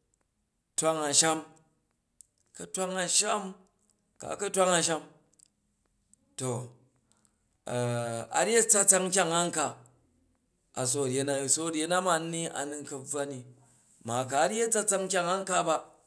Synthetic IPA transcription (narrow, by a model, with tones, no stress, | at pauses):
tʷa˦ŋa˨ʃa˦m | kɐ˨tʷa˦ŋa˨ʃa˦m | ka̰˨kɐ˦tʷa˦ŋa˧ʃa˦m | to˨ | a˨a̰˨ɾje˦t͡sa˦t͡sa˦ŋ˦kʲa˦ŋa˦ŋ̩˦ka˨ | a˨s̬o˨ɾje˦na˦˨so˦˨ɾʲje˦na˦ma˨n˦nːi˦a̰˨ni˦˧ŋ˦kɐ˨b͡va˦ni˨ | ma˨ka˨˦ɾje˦t͡sa˦t͡sa˦ŋ˦kʲa˦˨ŋa˦ŋ̩˦ka˦ba˦